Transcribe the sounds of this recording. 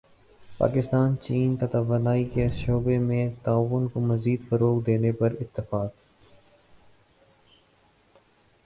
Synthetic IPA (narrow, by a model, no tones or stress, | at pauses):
pa̰ːkɪst̪aːnt͡ʃiːnk̪ɐt̪aʋənaːikeʃoːbemẽt̪aːʋʊnkomɐziːd̪fɐɾoːkd̪eːnepɐɾɪt̪ːɪfaːk